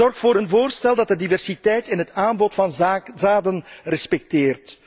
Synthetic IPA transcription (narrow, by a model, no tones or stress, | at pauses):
ɔrxtfoːɾənvoːrstɛlˠdɑt̚dədivɛrsitɛjtɪnɦətaːnbɔtfɑnzaːdənrɛspɛk̚teːrt